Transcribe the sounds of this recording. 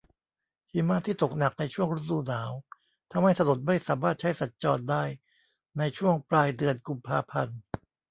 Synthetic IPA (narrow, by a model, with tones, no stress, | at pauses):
hi˨˦maː˥˩t̪ʰːiː˥˩t̪o˨˩k̚na˨˩k̚na˧jt͡ɕʰu˥˩əŋɾu˦˥duː˧naː˩˦w | t̪ʰa˧mha˥˩jsa˧do˨˩t̪̚ma˥˩jsaː˩˦maː˥˩t̪̚t͡ɕʰa˦˥jsa˨˩t̪̚t͡ɕɔː˧ndaː˥˩j | na˧jt͡ɕʰu˥˩əŋplaː˧jdɯ˧ənku˧mpʰaː˧pʰa˧n